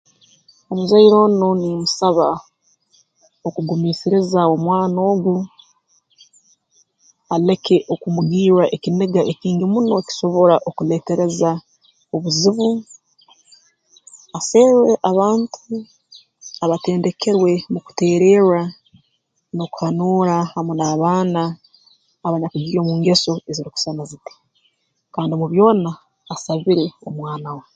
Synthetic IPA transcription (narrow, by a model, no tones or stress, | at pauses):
o̞muzaiɾo̞ːnonimusaβa | o̞kuɡumiːsiɾizao̞mwaːno̞ːɡu | ale̞kʰe̞ʔo̞kumuɡiːɾaʔe̞cineɡaʔeciːnɡimuno̞ci̥so̞βo̞ɾaʔokule̞ːte̞ɾe̞za | o̞βuziβu | ase̞ːɾeʔaβaːntʰu | aβate̞ːnde̞kʰe̞ɾwe̞muku̥te̞ːɾe̞ːɾa | no̞ku̥hanuːɾahamunaːβaːnaː | βaɲakuɡio̞muːŋɡe̞so̞e̞ziɾiku̥sanaziti̥ | kaːndimuβjo̞ːnaː | saβiɾe̞o̞mwaːnawa